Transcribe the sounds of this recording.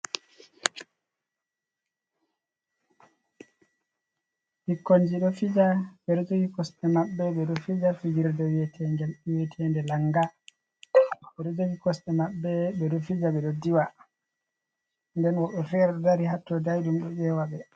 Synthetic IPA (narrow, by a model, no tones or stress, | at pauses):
hikːond͡ʒiɗɔfid͡ʒaɓɛɾd͡ʒoɡikɔstɛmaɓːɛɓɛɗɔfid͡ʒafid͡ʒiɾdɔwetʰɛɲd͡ʒamiwetʰiɛndɛlaŋɡa | ɓɛɾd͡ʒoɡikɔstɛmaɓːɛɓɛɗɔfid͡ʒaɓɛɗɔdiwa | ndɛnwɔɓɔfɛɾdaɾihatːɔdajɗumɗɔɗɛwaɓɛ